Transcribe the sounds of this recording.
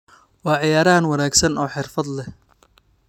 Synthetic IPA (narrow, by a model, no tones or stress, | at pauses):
wɑːʕɪjaːɾaːnwɐnaːɡsɐnɔːħɪrfɐd̪lɛ